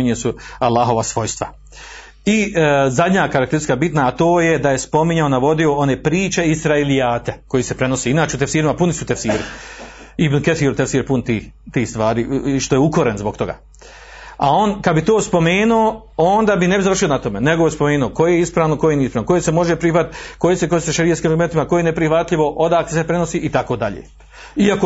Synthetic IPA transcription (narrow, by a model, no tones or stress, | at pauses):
ɲesualːaːɦo̞ʋasʋo̞jst̪ʋa | izad̪ʲɲaːkaɾakt̪eɾskabit̪naːt̪o̞ːjed̪ajespo̞miɲaonaʋo̞d̪io̞o̞neːpɾiːt͡ʃe̞isɾaelijaːt̪eko̞jiːse̞pɾe̞no̞seːinaːt͡ʃeut̪efsiːɾimapunisut̪efsiːɾi | ibnuket̪θiːɾut̪efsiːɾpunt̪iːt̪iːst̪ʋaːɾiʃt̪ojeuko̞ɾenzbokt̪o̞ɡa̰ː | ao̞ːnkad̪bit̪oːspo̞meːnuooːnd̪aːbinebizaʋr̩ʃionat̪o̞meneɡoespomeːnuoko̞jejeispɾaːʋnokojeniispɾaːnokjesemo̞ʒepɾihʋat̪kojesekojeseʃaɾijetskimaɾɡume̞nt̪imakojenepɾihʋat̪ʎiʋo̞ʔo̞d̪aːkt̪esepɾe̞no̞siːʔit̪akoːd̪aʎḛː | iako